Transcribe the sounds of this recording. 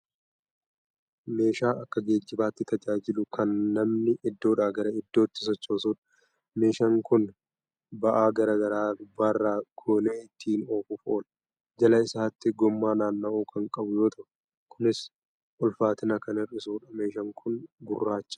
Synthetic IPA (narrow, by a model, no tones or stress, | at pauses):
me̞ːʃaːʔɐkːɐɡe̞ːd͡ʒːɪbaːt̪ːɪt̪ɐd͡ʒaːd͡ʒɪlʊkɐnːɐmnɪʔɪd̪ːo̞ːᶑaːɡɐɾɐɪd̪ːo̞ːt̪ːɪ̥s̬ɔt͡ʃːo̞ːsuːᶑɐ̥ | me̞ːʃɐŋkʊn | bɐʔaːɡɐɾɐɡɐɾaːd̪ʊbːaːrːaːɡ̥oːneːɪt̪ʰːiːnoːfʊfoːlɐ | d͡ʒɐlɐɪsaːt̪ːɪɡɔmːaːnaːnːɐʔuːkʰɐŋkʼɐbʊjo̞ːt̪ʰɐʔʊ | kʰʊnɪs | ʔɔlfaːt̪ɪnɐkɐnɪrɪsuːᶑɐme̞ːʃɐŋkʰʊnɡʊrːaːt͡ʃːɐ̥